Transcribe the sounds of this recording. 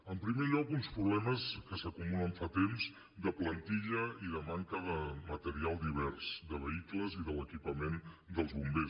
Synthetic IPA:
əmpɾimeʎɔkunspɾuβlɛməskəsəkumuləɱfat̪emz | d̪əplənt̪iʎəiðəmaŋkəðəmət̪əɾialˠd̪iβ̞ɛrsd̪əβəikləziðələkipəmend̪əlˠzβumbes

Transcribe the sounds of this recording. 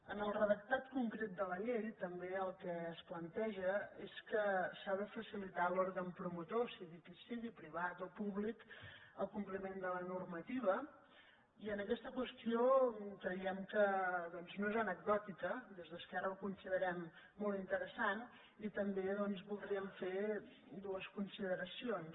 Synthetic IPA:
ənəlˠrəðək̚t̪at̪kuŋkɾet̪̚d̪ələʎejt̪əmbeəlˠkɛːsplənt̪ɛʒəeskəsaðəfəsilit̪aloɾɣəmpɾumut̪osiɣikisiðipɾiβ̞at̪opuβlikəlˠkumplimend̪ələnurmət̪iβ̞ə | iənəkɛst̪əkwəst̪iokɾəiɛmkəðɔnznoezənəɡ̚d̪ɔt̪ikəd̪ezðəskaɾəlkunsiðəɾɛmː | olˠt̪int̪əɾəsan | it̪əmbeðɔnzβulˠd̪ɾiəɱfe | d̪uəskunsiðəɾəsion

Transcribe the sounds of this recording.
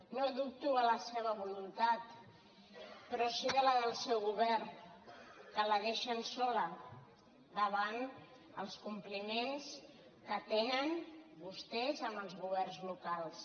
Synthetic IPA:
noðup̚t̪uələseβəβulunt̪at̪ | pəɾɔsiðələðəlˠsɛwɣuβɛr | kələðeʃənsɔlə | d̪əβ̞an | əlˠskumplimens | kət̪enənbust̪ɛzəmbəlˠzɣuβ̞ɛrnzlukalˠs

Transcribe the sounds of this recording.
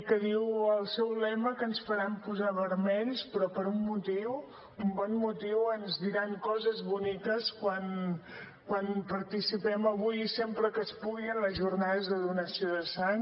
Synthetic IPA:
kəðiwəlˠsɛwlɛməkənsfəɾampuzaβəɾmɛʎspɾɔpəɾumːut̪iw | umbɔnmut̪iwənzðiɾaŋkɔzəzβunikəskwan | kwanpəɾt̪isipɛməβujisempɾəkəspuɣiənləzʒurnaðəzðəðunəsioðəsan

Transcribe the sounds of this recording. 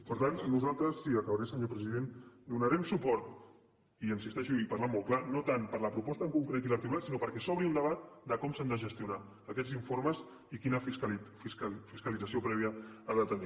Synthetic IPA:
pəɾt̪annuzalˠt̪ɾəsːiəkəβaɾɛsəɲopɾəziðend̪unəɾɛmsupɔɾt̪ | iənsist̪ɛʃuipaɾlamːolˠklanot̪anpəɾləpɾupɔst̪əŋkuŋkɾet̪̬ilək̚t̪ik̬ulat̪sinopəɾkɛsɔβɾiuld̪əβ̞at̪̚d̪əkɔmsand̪əʒəst̪iuna | əkɛziɱforməz | ikinəf | isfiskəlidd͡zəsiopɾɛβiəaðət̪əni

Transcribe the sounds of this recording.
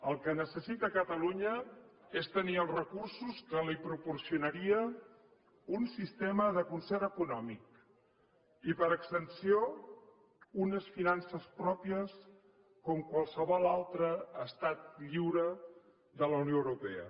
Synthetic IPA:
əlˠkənəsəsit̪əkət̪əluɲəest̪əniəlˠzrəkursuskəlipɾupursiunəɾiə | unsist̪eməðəkunsɛɾəkunɔmik̚ | ipəɾəkst̪ənsio | unəsfinansəspɾɔpiəs | kɔmkwalˠsəβɔlalˠt̪ɾəːst̪at̪̚ʎiwɾə | ðələwnioəwɾupɛə̰

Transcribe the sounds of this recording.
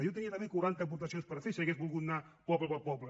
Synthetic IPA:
jot̪əniɐt̪əmekuɾant̪əp̬uɾt̪ɐsionspəɾfisiɐɣezβulˠɣut̪̚napɔβləpəɾpɔβlə

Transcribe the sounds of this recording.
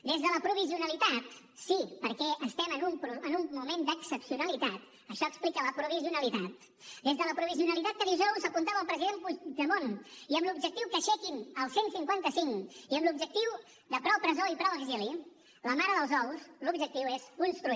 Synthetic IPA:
d̪ezðələpɾuβ̞iziunəlit̪at̪ | sipəɾkɛʔəst̪ɛmənumpɾuənummumend̪əksəpsiunəlit̪at̪ | əʃɔəksplikələpɾuβiziunəlit̪at̪̚ | d̪ezðələpɾuβ̞iziunəlit̪at̪̚kəðizɔwzəpunt̪aβəlˠpɾəziðempuʒəmoniəmlub̚ʒək̚t̪iwkəʃɛkinəlˠsensiŋkwant̪əsiŋiəmblub̚ʒək̚t̪iw | d̪əpɾɔwpɾəzoipɾɔwəɡzili | ləmaɾəðəlˠzɔwslubʒək̚t̪iwezunst̪ɾu

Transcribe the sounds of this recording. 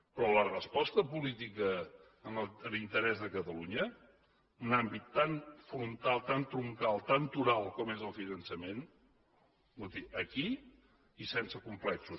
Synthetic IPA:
pɾɔlərəspɔst̪əpulit̪ikəː | nlint̪əɾɛzðəkət̪əluɲə | unambit̪ːanfɾunt̪alˠt̪ant̪ɾuŋkalˠt̪ant̪uɾalˠkɔmezəlˠfinənsəmen | ut̪iʔəkiː | sensəkumplɛksus

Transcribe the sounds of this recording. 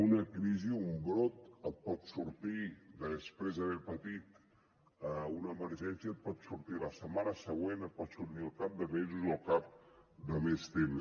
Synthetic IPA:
unəkɾiziumbɾot̪̚ət̪̚pɔt̪suɾt̪id̪əspɾezəβɛɾpət̪it̪ | əunəːməɾʒɛnsiət̪̚pɔt̪suɾt̪iləsəmanəsəɣwenət̪̚pɔt̪suɾt̪iəlˠkap̚d̪əmezuzəlˠkap̚d̪əmest̪ems

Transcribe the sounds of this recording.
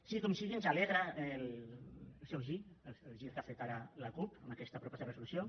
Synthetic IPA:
sikɔmsiɣiənzaleɣɾael | lˠsɛwʒiləlˠʒiɾkafet̪aɾalakupamakɛst̪apɾopɔsrəsulusjo

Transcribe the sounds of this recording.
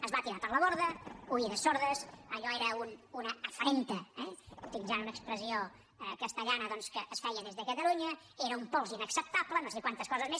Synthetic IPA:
əzβat̪iɾapəɾlˠəβoɾðəuiðəsoɾðəsəʎɔeɾəununəːfɾent̪əɛut̪ilizanunəkspɾəzio | kəst̪əʎanəðɔnskəʔːsfɛjəðezðəkət̪əluɲə | eɾəumpɔlˠzinəksəp̚t̪aplənõsɛkwant̪əskɔzəzmes

